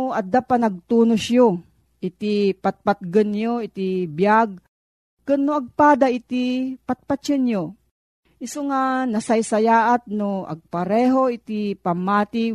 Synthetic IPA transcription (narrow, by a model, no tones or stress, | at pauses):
ɐd̪apanɐɡ̚t̪uːnʊsjo | ʔɪt̪ipat̪̚pat̪̚ɡənjoɪt̪ibjaɡ̚ | kɨnːoɐɡ̚paːd̪aʔit̪ipat̪̚pat͡ʃɨnjo | ʔɪsoŋanɐsajsɐjaːʔat̪̚noʔɐ̰ɡ̚pɐɾɛːɦoɪt̪ipamːaːt̪i